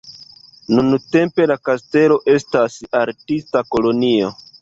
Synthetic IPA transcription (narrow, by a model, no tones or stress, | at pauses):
nunte̞mpe̞lakaste̞lo̞ʔe̞stasaɾtistako̞lonio̞